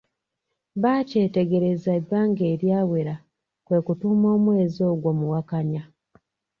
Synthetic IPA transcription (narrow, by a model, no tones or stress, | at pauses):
βaːce̞ːte̞ɡe̞ɾe̞zabːaːŋɡe̞ːɾjaːwe̞ɾa | kwe̞ːkutumo̞ːmwe̞ːzo̞ːɡwo̞muwakaɲa